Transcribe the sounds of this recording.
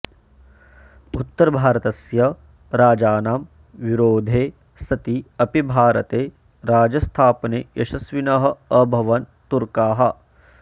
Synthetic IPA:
ut̪ːɐɾbʱaːɾɐt̪ɐsjɐ | ɾaːd͡ʒaːnaːm | ʋiɾoːd̪ʱeː | sɐt̪iɐpibʱaːɾɐt̪eː | ɾaːd͡ʒɐst̪ʰaːpɐneːjʔɐʃɐsʋinɐɦɐ̆ɐbʱɐʋɐnt̪uɾkaːɦɐ̆

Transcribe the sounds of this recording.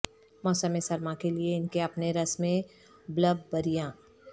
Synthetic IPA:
mɔːsəmẽsɐɾmãkelieɪnkeɐpneɾɐsmẽ | bləbːɐɾijãː

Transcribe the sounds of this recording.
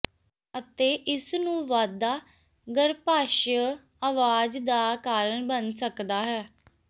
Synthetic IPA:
ət̪eːʔɪsnũːʋaːd̪aː | ɡəɾpaːʃə | aːʋaːd͡ʒd̪aːkaːɾəɳbənsəkd̪aːɦɛː

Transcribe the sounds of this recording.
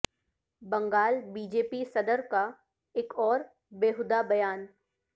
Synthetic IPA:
bɐ̃ŋɡaːlbiːd͡ʒeːpisɐd̪əɾka | eːkɔːɾ | beːɦʊd̪abɐjaːn

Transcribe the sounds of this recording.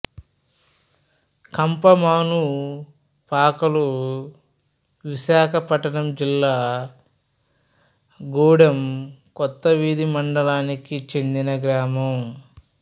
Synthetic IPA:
kɐmpɐmaːnu | paːkɐlu | ʋiʃaːkʰɐpɐʈɐɳɐmd͡ʒilːaː | ɡuːɽɐmkɔt̪ːɐʋiːd̪imɐɳɖɐlaːnikit͡ʃend̪inɐɡɾaːmɐm

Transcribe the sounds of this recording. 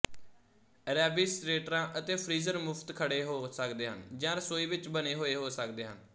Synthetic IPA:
ɾɛːbiːsɾeːʈɾãːʔət̪eːpʰɾiːzəɾmʊpʰt̪kʰəɽeːɦoːsəkd̪eːɦənd͡ʒãːɾəsoːiːʋɪt͡ʃbəneːɦoːeːɦoːsəkd̪eːɦən

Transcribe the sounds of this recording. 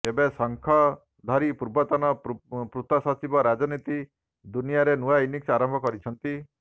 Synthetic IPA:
ebesɔŋkʰɔ | d̪ʱɔɾipuɾbɔt̪ɔnɔpɾut̪ɔsɔt͡ʃibɔɾad͡ʒɔnit̪i | d̪unijaɾenuainiksaɾɔmbʱɔkɔɾit͡ʃʰɔnt̪i

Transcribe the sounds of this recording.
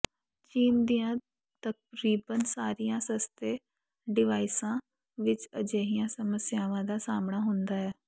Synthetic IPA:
t͡ʃiːmd̪ijãː | t̪ək̚ɾiːbənsaːɾijãːsəst̪eː | ɖɪʋaːɪsãː | ʋɪt͡ʃəd͡ʒeːɦɪjãːsəməsjaːʋãːd̪aːsaːmɳaːɦʊnd̪aːɦɛː

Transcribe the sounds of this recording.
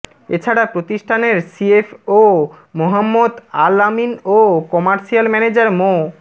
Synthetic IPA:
et͡ɕʰaɽapɾot̪iʃʈʰaneɾsiefo | moɦamːod̪alaminokɔmaɾʃialmɛned͡ʑaɾmo

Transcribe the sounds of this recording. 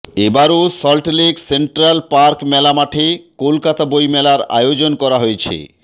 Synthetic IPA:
ebaɾosɔlʈleɡseɳʈɾalpaɾkmɛlamaʈʰekolkat̪abojmɛlaɾa̰jod͡ʑonkɔɾaɦojet͡ɕʰḛ

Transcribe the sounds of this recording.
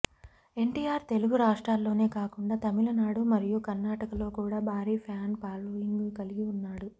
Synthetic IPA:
e̞ɳʈiːjaːɾt̪e̞luɡuɾaːʂʈɾaːlːo̞ːne̞ːkaːkuɳɖaːt̪ɐmilɐnaːɽumɐɾijukɐɾnaːʈɐkɐlo̞ːkuːɽaːbʱaːɾiːpʰjaːnpaːloiŋɡkɐliɡiunːaːɽu

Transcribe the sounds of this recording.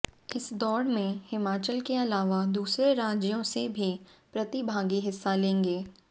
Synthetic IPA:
ɪsd̪ɔːɾmẽhɪmaːt͡ʃəlkeɐlaːʋad̪uːsɾeɾaːd͡ʒjõsebʱipɾɐt̪ibʱaːɡiɦɪsːalẽːŋɡeː

